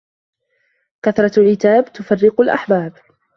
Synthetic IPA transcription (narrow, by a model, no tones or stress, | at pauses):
kaθɾˤɑʕɪt̪aːbt̪ʊfarːɪqʊlʔa̰ħbaːb